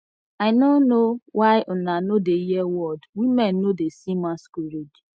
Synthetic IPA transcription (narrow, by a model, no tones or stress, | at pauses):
aɪnonowʔaɪʔonanodejɛwɔdwimɛ̃nːodesimaskuɾed͡ʒ